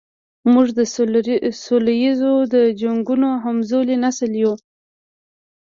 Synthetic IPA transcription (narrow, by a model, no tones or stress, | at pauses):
muʐd̪ə | solajizod̪əd͡ʒaŋɡunoɦamzolenasəlju